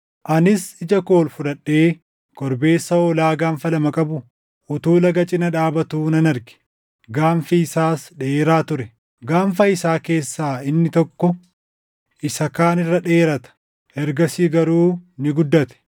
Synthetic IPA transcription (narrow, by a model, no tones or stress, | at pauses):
ʔɐnɪsɪd͡ʒɐko̞ːlfʊᶑɐᶑːe̞ː | kɔɾbe̞ːsːɐɔlaːɡaːɱfɐlɐmɐkʼɐbʊ | ʊt̪uːlɐɡɐt͡ʃʼɪnɐᶑaːbɐt̪uːnɐnɐɾɡɛ̥ | ɡaːmfiɪsaːsᶑɛeːɾaːt̪ʊɾɛ | ɡaːɱfɐɪsaːke̞ːsːaːɪnːɪt̪ɔkːɔ | ʔɪsɐkaːnɪrːɐᶑeːɾɐt̪ɐ̥ | ʔɛɾɡɐsiːɡɐɾuːnɪɡʊd̪ːɐt̪ɛ̥